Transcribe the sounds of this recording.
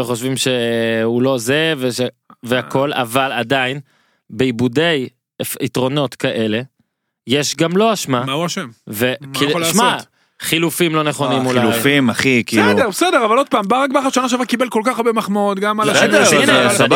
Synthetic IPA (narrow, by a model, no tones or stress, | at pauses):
eχo̞ʃvimʃe̞ulo̞zeveʃ | veako̞la̰valadain | beibude̞j | itʁo̞no̞tkaʔe̞le̞ | jeʃɡamlo̞aʃmamauaʃemvekiʃma | χilufimlo̞neχo̞nnimulaujfimaχikisːludeʁbesedeʁavalo̞d̪̚paːmbaʁak̚baχaʃanaʃ̬avakibelkolkaχaʁbemaχmaot̪ɡamaansa